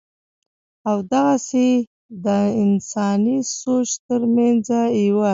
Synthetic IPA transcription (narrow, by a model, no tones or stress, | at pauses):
awd̪aɣase | d̪əɪnsɑnisot͡ʃt̪əɾmand͡zaiwa